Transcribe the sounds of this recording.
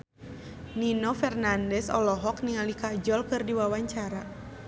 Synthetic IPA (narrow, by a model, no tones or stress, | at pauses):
ninɔfɛrnandɛsɔ̰lɔɦɔk̚niŋalikad͡ʒɔlkɨrdiwawaɲt͡ʃaɾa